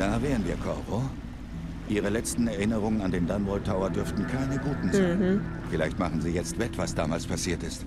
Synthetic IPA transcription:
d̥aːvɛːʁənviːɐkʰɔʁo | ʔiːʁ̞əlɛt͡stn̩ɛɐʔɪnəʁ̞ʊŋənandeːndanbɔltʰaʊɐdʏɐftn̩kʰaɪnəɡuːtn̩zaɪn | fɪlaɪçtmaχn̩ziːjɛt͡stv̥ɛtv̥asd̥aːmaːlspʰasiːɐtɪst

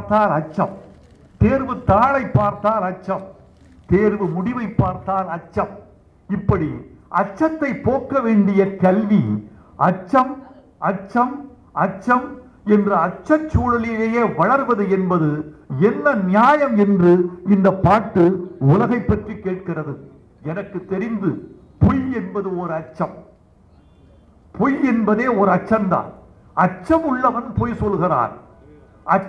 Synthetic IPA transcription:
t̪aːlɐt͡ʃːɐm | t̪eːɾʋɯt̪aːɭɐɪpːaːɾt̪aːlɐt͡ʃːɐm | t̪eːɾʋɯmʊɽɪʋɐɪpːaːɾt̪aːlɐt͡ʃːɐm | ɪpːɐɽiʔɐt͡ʃːɐt̪ːɐɪpoːkːɐʋeːɳɖɪjɐkɐlʋi | ɐt͡ʃːɐm | ɐt͡ʃːɐm | ɐt͡ʃːɐm | ɛndrɐɐt͡ʃːɐt͡ʃːuːɻɐlɪjleːjeːʋɐɭɐɾʋɐðɯɛnbɐðɯɛnːɐnɪjaːjɐmɛndrɯɪnd̪ɐpːaːʈːɯʊlɐɣɐɪpːɐʈrikːeːʈ̚kɪrɐðɯ | ɛnɐkːɯt̪ːɛɾɪnd̪ɯ | pʊjɛnbɐðɯɔɾɯɐt͡ʃːɐm | pʊjɛnbɐðeːɔɾɯɐt͡ʃːɐnd̪a̰ːn | ɐt͡ʃːɐmʊɭːɐʋɐnpoːjsɔlɣɪra̰ːɾ | ɐ

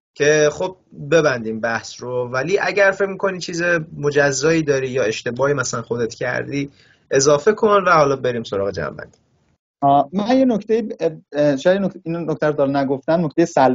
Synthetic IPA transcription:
cʰe̞χob̚be̞bænd̪iːmbæhsrovæliːʔæɟæɾfecmiːkʰo̞nit͡ʃʰiːzemo̞d͡ʒæzːɒːiːd̪ɒːɾiːjɒːe̞ʃt̪e̞bɒːimæsælænxo̞d̪e̞t̪cʰæ̰ɾd̪iː | ʔe̞zɒːfe̞kʰonvæhɒːlɒːbe̞ɾiːmso̞ɾɒːɣed͡ʒæ̰mbæ̰nd̪̥i̥ | ɒmænjenocʰt̪ejiːbʃɔjæd̪jenoinnokt̪ʰæɾod̪ɒɾnæɡoft̪æmnoct̪ejesæl

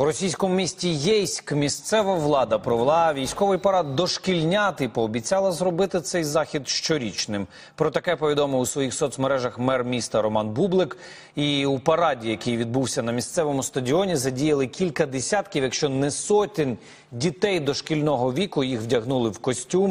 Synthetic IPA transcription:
uɾɔsʲijsʲkɔmʊmʲisʲtʲijɛjsʲkmʲist̪sɛʋɐʋlˠɑd̪ɐpɾɔʋelˠɑʋʲijsʲkɔʋɪjpɐɾɑd̪̚ːɔʃkʲilʲnʲat̪ɪpɔːbʲit͡sʲɑlˠɐzrɔbɪt̪ɪt̪sɛjzɑxʲid̪ʃt͡ʃɔɾʲit͡ʃnɪm | pɾɔt̪ɐkɛpɔʋʲid̪ɔmɪusʋɔjixsɔt̪smɔɾɛʒɐxmɛrmʲist̪ɐɾɔmɑnbublˠɪk | iupɐɾɑdʲijɐkɪjʋʲid̪̚buwsʲɐnɐmʲist̪sɛʋɔmʊst̪ɐdʲiɔnʲizɐdʲijɐlˠɪkʲilʲkɐd̪esʲat̪kʲiwjɐkʃt͡ʃɔnɛsɔt̪ʲɪnʲ | dʲit̪ɛjd̪ɔʃkʲilʲnɔɦɔʋʲikʊjixwdʲɐɦnulˠɪwkɔsʲtʲum

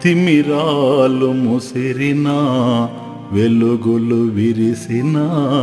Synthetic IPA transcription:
t̪imiɾalumusiɾina | ʋeluɡuluʋiɾisinɐ

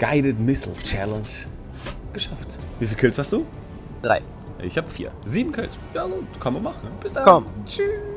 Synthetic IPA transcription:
ɡ̥aɪɾətmɪsl̩t͡ʃɛlənʃ | ɡ̥əʃaftviːfiːlkɛlt͡shastd̥uː | d̥ʁa̰ɪ | ʔɪ̰çhaːbəfḭːɐziːbm̩kʰɛlt͡sjaːɡuːtkʰanmamaχn̩b̥ɪsd̥akɔmt͡ʃyː

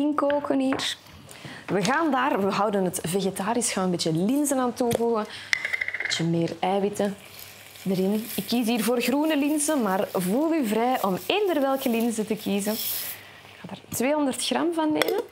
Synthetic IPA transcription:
ɪŋkoːkəniːr | ʋəɣaːndaːrʋəɦʌwdənɦətveɣetaːɾɪsxaːnənmbeːtjəlɪnzənaːntuvuɣən | beːtjəmeːrɛːʋɪtə | dəɾɪnɪkːiːsiːrvoːrɣruːnəlɪnzənmaːrvuːlˠyvrɛjʔɔmeːndərʋɛlˠkəlɪnzətəkiːzən | ɪkxaːdaːrtʋeːɦɔndərtxrɑmvɑnːeːmən

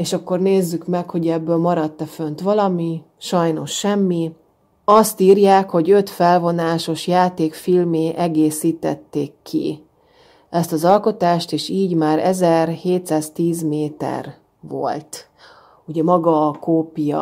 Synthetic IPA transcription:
eːʃɒkːo̞rneːzːykmɛkho̞ɟɛbːøːlmɒɾɒt̪ːɛfønt̪ʋɒlɒmi | ʃɒjno̞ʃːɛmːi | ɒst̪iːɾjaːkho̞ɟø̞t̪fɛlvo̞naːʃo̞ʃjaːt̪eːkfilmeːʔɛɡeːsiːt̪ɛ̰t̪ːeːkʰːḭ | ɛst̪ɒzɒlko̞t̪aːʃt̪eːʃiːɟmaːɾɛzɛrheːt̪saːzt̪iːzmeːt̪ɛ̰r | vo̞̰lt̪ | uɟɛmɒɡɒːkoːpijɒ̰

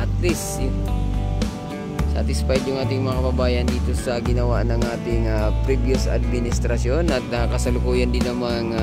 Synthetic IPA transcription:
ʔɐt̪lisjʊ | sa̰t̪ɪsfajd̪jʊŋʔaːt̪ɪŋmɐŋakɐbɐbaːjɐnd̪iːt̪o̞sɐɡɪnɐwaʔnɐŋʔaːt̪ɪŋapɾibjʊsa̰d̪̚mɪnɪst̪ɾɐso̞nɐt̪̚akɐsɐlʊkuːjɐnd̪ɪnːɐmaŋ

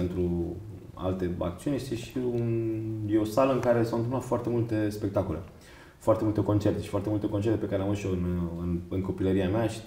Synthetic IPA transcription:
ent̪ɾu | a̰lt̪e̞a̰kt̪siunjest̪e̞ʃiunjeo̞saləɨŋkaɾe̞sawɨnt̪ɨmplat̪foart̪e̞mult̪e̞spek̚t̪ako̞le | foart̪emult̪e̞ko̞nt͡ʃert̪e̞ʃifoart̪eult̪e̞kont͡ʃe̞rt̪e̞pe̞kaɾelamɨʃoɨnɨnɨŋko̞piləɾiameaʃi̥

